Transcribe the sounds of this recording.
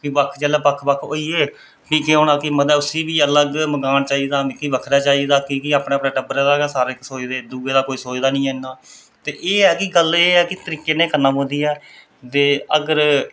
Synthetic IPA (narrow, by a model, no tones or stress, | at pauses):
kiːbəkʰd͡ʒɛːlɛːpəkʰbəkʰo̰ːiːeː | piːkeɦõːñãːkɪməd̪ɛːʊsiːʋiːələɡməɡaːnt͡ʃaːiːd̪aːiːkiːʋəkʰɾaːt͡ʃaːiːd̪aːkikiaːpɳeːəpnẽːʈəbəɾɛːd̪aːeːsaːɾeːksoːd͡ʒd̪eːd̪uːeːd̪aːkoːiːsoːd͡ʒd̪aːnĩːɦɛːnːaː | t̪eːʔeːɛːkɪɡəleːɛːkɪt̪əɾiːkeːneːkəɾnaːpõnd̪iːɛː | t̪eːəɡəɾ